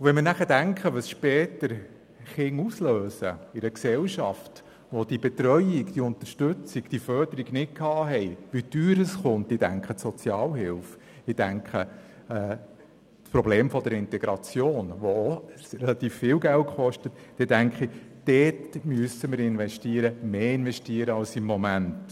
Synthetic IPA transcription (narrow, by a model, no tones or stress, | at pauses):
ʋɛnmənæχəd̥æŋkχəʋəsʃpɛːt̪əɾ | χɪŋusløːsə̰ɪɾəksɛlʃɑft | ʋɔd̥ibɛt̪ɾœjiɡd̥iʊnt̪əɾʃtɵt͡siɡ̥d̥ifœrd̥əɾiɡnɪt̚kʰɑːɦɛɪʋid̥yːɾəsχʊnt̪ɪdæ̰ŋkχəsɔt͡sjɑːlɦɪlf | ɪd̥æŋkχə | ɛː | spɾɔbleːmfɔdəɾɪnt̪ɛɡɾɑt͡sjoːnʋoː | rɛlɑt̪iːfːɪːlɡæltχɔʃtət | d̥ɛdæŋkχid̥ɛːtmyəsəməɾɪnʋɛʃtiːəɾəmeːɪnʋɛʃtiːəɾəɑlsɪmːɔmænt